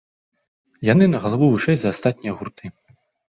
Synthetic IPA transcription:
janɨnɐɣɐlˠavuvɨʂɛjzɐːst̪at̪̚ʲnʲijɐɣurt̪ɨ

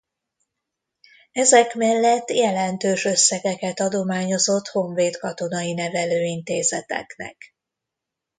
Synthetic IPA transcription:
ɛzɛkmɛlːɛt̪ːjɛlɛnt̪øːʃø̞sːɛɡɛkɛt̪ɒd̪o̞maːɲo̞zo̞t̪ho̞ɱveːt̪kɒt̪o̞nɒjinɛvɛløːint̪eːzɛt̪ɛ̰knɛ̰k

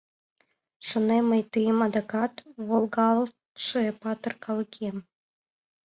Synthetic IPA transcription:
ʃŏneməjt̪ɯjəmɑd̪ɑkɑt̪βolˠɡɑl | ʃɤpɑt̪ɤ̆rkɑlˠɤkʰʲem

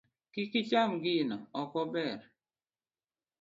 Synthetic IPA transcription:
kikit͡ʃamɡɪnɔɔkɔbɛɾ

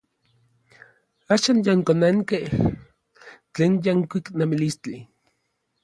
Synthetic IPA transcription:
aːʃanjaŋkonaŋkeh | t͡ɬeːnjaŋkʷiknemilist͡ɬi

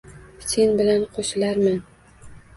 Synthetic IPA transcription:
se̞nbɪlanqʰoʃɪlaɾman

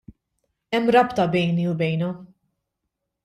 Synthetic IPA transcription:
ɛmːɾɐpt̪ɐbɛjniubɛjnɔ

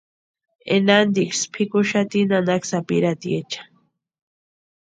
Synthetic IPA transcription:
ḛnand̪ikspʰikuʃat̪inanaksapḭɾat̪iet͡ʃḁ

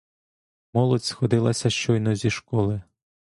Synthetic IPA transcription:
mɔlˠɔtʲsxɔd̪ɪlˠɐsʲɐʃt͡ʃɔjnɔzʲiʃkɔlˠɪ

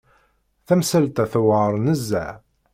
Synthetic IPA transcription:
θæmsælt̪æθwəɾˤnəzːæ̰ʕ

